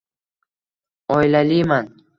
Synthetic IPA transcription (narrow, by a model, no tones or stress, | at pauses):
ɔjlaliman